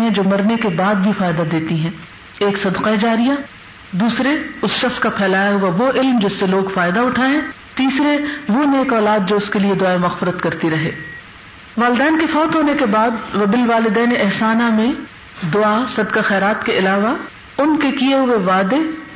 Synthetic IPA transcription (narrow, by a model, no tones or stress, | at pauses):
ɦɛ̃d͡ʒoːmɐɾnekebaːd̪̚bʱifaːjɪd̪ad̪eːt̪iɦɛ̃ː | eːksɐd̪qaed͡ʒaːɾija | d̪uːsɾeʊsʃɐxskapʰɛːlaːjaɦʊaʋoʔɪlmd͡ʒɪsːeloːɡfaːjd̪aʊʈʰaːɛ̃ː | t̪iːsɾeʋoneːkɔːlaːd̪̚d͡ʒoːʊskelied̪ʊaːemɐɣfɪɾət̪kɐɾt̪iɾɐɦḛː | ʋaːlɪd̪ɛːnkefɔːt̪ɦoːnekebaːd̪ɐbɪlʋaːlɪd̪ɛːneɛɦsaːnamẽ | d̪ʊaːsɐd̪qaxɛːɾaːt̪keʔɪlaːʋa | ʊnkekieɦʊweʋaːd̪e